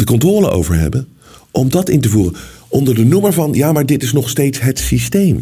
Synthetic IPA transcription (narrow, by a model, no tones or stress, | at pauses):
d̥əkɔntroːləʔo̰wvəɹɦɛ̰bən | ʔɔmdɑtɪntəvuːrənʔɔndəɹdənuməɹvɑnjaːmaːɹdɪtɪsnɔχstejtsɦətsistejm